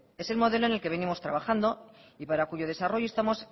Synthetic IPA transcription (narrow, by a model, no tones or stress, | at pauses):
e̞se̞lmo̞ð̞e̞lo̞ene̞lke̞βe̞nimo̞st̪ɾaβaxand̪o̞ipaɾakuʝo̞ð̞e̞saro̞ʝo̞e̞st̪amo̞s